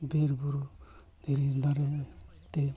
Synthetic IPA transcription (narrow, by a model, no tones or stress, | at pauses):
beɾbuɾu | diɾidaɾe | t̪e